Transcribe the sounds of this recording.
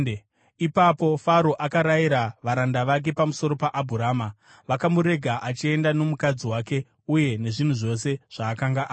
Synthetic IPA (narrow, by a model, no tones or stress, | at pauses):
ipapo̞faɾo̞ʔakaɾaiɾaʋaɾandaʋak̬e̞pamuso̞ɾo̞paʔabʱuɾaːma | ʋakamuɾe̞ɡʱaʔat͡ʃie̞ndano̞mukad͡ziwaːke̞ | uje̞ne̞ʐin̤uʐo̞se̞ʐ̥aːkaŋɡaʔː